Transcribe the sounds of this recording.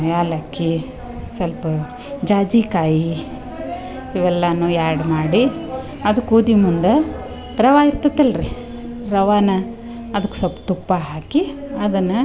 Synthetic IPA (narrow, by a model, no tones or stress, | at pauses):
jaːlɐkːi | sɐlpɐ | d͡ʒaːd͡ʒiːkaːji | iʋɛlːɐnːuːjaːɾɽmaːɽi | ɐd̪ukuːd̪imund̪e | ɾɐʋaːiɾt̪ɐt̪ːɐlɾi | ɾɐʋaːnɐ | ɐd̪ɐkːu̥sɐlpɐ̥t̪upːaɦaːkiɐd̪ɐnːɐ